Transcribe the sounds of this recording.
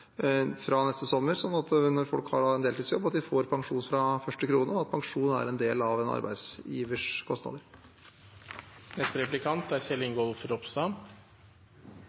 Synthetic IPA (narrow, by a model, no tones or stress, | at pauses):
fɾɑnɛst̪əsɔmːəɾsɔnːɑt̪nɔɾfɔ̰lkhɑ̰ɖɑɛnd̪eːliːsjɔbːɑt̪̚d̪ɪfoːɾpʰɑŋʂuːnfɾɑfœʂʈəkʰɾuːnəɔɑt̪̚pʰɑŋʂuːnəæ̰ɾɛnd̪eːlɑʋɛnɑ̰ɾbæ̰ɪd̪siːʋəʂkʰɔst̪nɑ̰ːd̪əɾ | nɛst̪əɾɛplɪkʰɑnt̪æɾçɛlːɪŋɡɔlfɾɔpsd̪ɑm